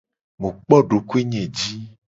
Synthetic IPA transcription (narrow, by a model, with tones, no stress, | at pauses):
mũ˨k͡pɔ˦ɖo˨ku˦e˦ɲɛ̃˨d͡ʒi˦